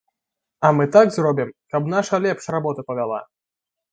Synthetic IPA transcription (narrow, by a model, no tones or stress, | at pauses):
ɐmɨt̪aɡzrɔbʲimkɐbn̪aʂɐlʲɛpʂrabɔt̪ɐpɐvʲalˠa̰